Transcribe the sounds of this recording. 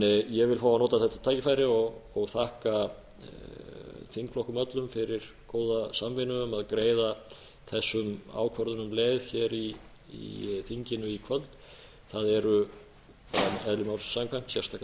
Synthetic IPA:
ɪjɛɣvɪlfaːwanoːt̪aθɛht̪ːḁt̪ʰaːjcɪfaːjɾɪɔɣɔɣθahka | θiŋklɔhkʏmœt̪lʏmfɪɾɪɾ | koːwðasamvɪnʏʏmaðkɾeːjða | θɛsːʏma̰ːwkʰvœɾðʏnʏmlɛːðçɛɾi | ḭθiɲcɪnʏikʰvœlt̪ | θaðɛɾʏ | kʰanɛðlɪmawɾ̥sːamkʰaŋ̥k̪sjɛr̥t̪aːk

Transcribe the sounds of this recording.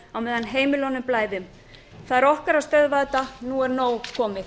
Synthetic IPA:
awmɛːðanɦeːjmɪlɔnʏmplaːjðʏm | θaðɛɾɔhkaɾawst̪œðvaðt̪anuɛɾnoːwkʰɔːmɪ

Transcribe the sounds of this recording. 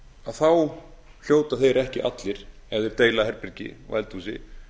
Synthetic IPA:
aðθaw | l̥joːwt̪aθejɾɛhcɪʔa̰t̪lɪɾ̥ | ɛðɪɾ̥t̪eːjlaɦɛɾpɪɾcɪ̰ɔ̰ɣɛlt̪usɪ̰

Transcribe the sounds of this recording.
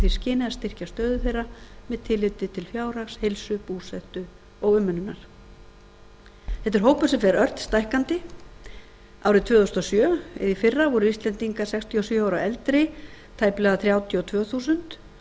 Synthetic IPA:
θiscɪːnɪðast̪ɪr̥cast̪œːðʏθejrːamɛðt̪ʰɪlɪt̪ɪt̪ʰɪlfjaːwɾakshejlsʏpuːsɛht̪ʏ | ɔɣʏmːʏnʏnːa̰ɾ̥ | θɛht̪ɪɾ̥ɦoːwpʏ̥sɛfɛɾœr̥t̪st̪ajhkant̪ɪ | a̰wɾɪt̪ʰvœːθost̪ɔsjœːɪ̰ðifɪrːavɔɾʏist̪lɛnt̪iŋkasɛkst̪ʰiɔsjœːawɾaʔɛlt̪ɾɪt̪ʰaːjplɛɣðaθɾjaːwt̪ʰiɔt̪ʰvœːθusʏnt̪

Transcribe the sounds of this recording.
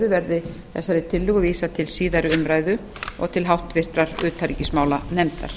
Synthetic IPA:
ðʏvɛɾðɪ | θɛ̰sːaɾɪt̪ʰɪlːʏɣʏviːsat̪ʰɪlsiːðaɾʏʏmɾaːjðʏ | ɔ̰ɣt̪ʰɪlɦawht̪vɪr̥t̪ɾaɾʏːt̪ʰaɾicismaːwlanɛmt̪a̰ɾ̥

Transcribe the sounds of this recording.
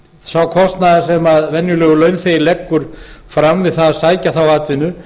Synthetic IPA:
sawkʰɔst̪naðasɛmaðvɛnjʏlœːɣʏlœːɥnθejlɛkːʏɾ̥fɾamvɪðθaðasaːjcaθawaːt̪vɪnʏ

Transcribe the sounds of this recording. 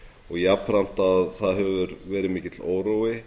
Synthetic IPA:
ɔɣjapɾam̥t̪aðθaðɦœvʏɾvɛːɾɪmɪːcɪt̪loːwɾowɪ

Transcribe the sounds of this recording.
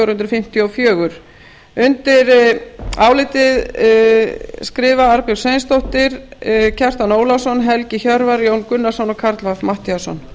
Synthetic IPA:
ɾhʏnt̪ɾʏfɪm̥t̪jɔfjœːɣʏɾ̥ | ʏnt̪ɪɾ | aːwlɪt̪ɪð | skɾɪːvaaɾpɪwsejnst̪oht̪ɪɾ̥cʰɛr̥t̪anoːwlasɔnːɦɛlcɪçœɾvaɾjoːwnkʏnːḁsɔnɔkʰaɾt̪lvaθmaht̪iasɔ̰n

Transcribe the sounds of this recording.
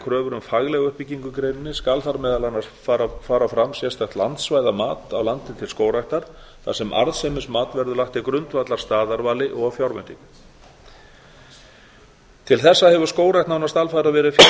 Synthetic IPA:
kʰɾœːvʏɾʏmfaɣlɛɣʏhpicːiŋkʏkɾejnɪnːɪskalθaɾmɛːðalanaɾfaɾafaːɾafɾamsjɛst̪axt̪lant̪svaːjðamaːt̪awlant̪ɪt̪ʰɪlskoːwɾajht̪aɾ̥ | θasɛmʔa̰ɾðsemɪsmaːt̪vɛɾðʏlaxt̪akɾʏnt̪vat̪laɾ̥st̪aːðaɾvaːlɪʔɔɣafjawɾvʏ̰nt̪ɪn | t̪ʰɪlθɛsːahɛvʏ̥skoːwɾajht̪nawnast̪alfaðɾavɛːɾɪf

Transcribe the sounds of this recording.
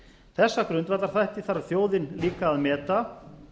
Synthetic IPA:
θɛsːakɾʏnt̪vaɾt̪aɾ̥θajht̪ɪθaɾaθjoːwðɪnliːkaːðmɛːt̪a

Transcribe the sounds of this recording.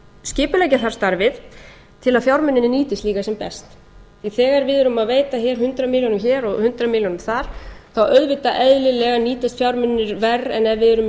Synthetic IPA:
scɪːpʏlɛjcɪθḁst̪aɾvɪð | t̪ʰɪlaðfjawɾmʏnːɪnːɪniːt̪ɪst̪liːkasɛmpɛ̰st̪ | θiθɛːɣaɾvɪðʏɾʏmaðveːjt̪açɛːɾ̥hʏnt̪ɾamiljɔnʏmçɛɾɔɣhʏnt̪ɾamiljɔnʏmθaɾ̥θawœɥðvɪt̪aʔɛðlɪlɛɣaniːt̪ast̪fjawɾmʏnːɪɾvɛrːɛnɛvɪðɛɾʏm

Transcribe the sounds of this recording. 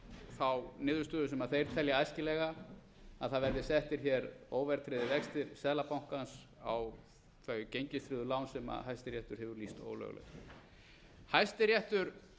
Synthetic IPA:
θawnɪːðʏst̪œːðʏsɛmaðθejɾ̥t̪ʰɛljaajscɪlɛɣa | aðθaðvɛɾðɪsɛht̪ɪɾ̥çɛɾoːwvɛɾ̥t̪ʰɾɛːðɪvɛkst̪ɪɾsɛːðlapawŋ̥kans | a̰w | θajʏcejɲcɪst̪ɾɪːðʏlaːwnsɛma̰ɦajst̪ɪɾjɛht̪ʏɾ̥hɛvʏɾlist̪o̰ːwlœ̰ɣlɛ̰x | hajst̪ɪɾjɛht̪ʏɾ̥

